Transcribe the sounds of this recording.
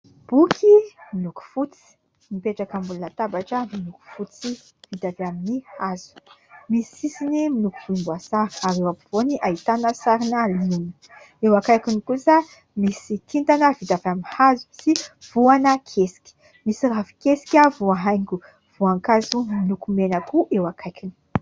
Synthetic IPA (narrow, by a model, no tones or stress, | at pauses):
b̥ukʰimiluku̥fut͡si̥ | mipeʈ͡ʂakəmbulunat̪abaʈ͡ʂəmiluku̥fut͡si | vid̪avaminihazu̥misisinimilukuvuimbuasaɾi̥aɾewapuv̥oniʔait̪anəsaɾinalini̥ | ewakajkinikusa | misikʰint̪anəvid̪avaminhazu̥siv̥uanəkʰesi̥kʲi̥ | misiravi̥kesi̥kʲavuaɦajŋɡu | v̥uaŋkazuminukumenəkuʔewakʰajkini̥